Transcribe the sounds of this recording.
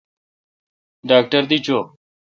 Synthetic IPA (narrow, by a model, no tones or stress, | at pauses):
ɖaːk̚ʈəɾd̪iːt͡ʃoː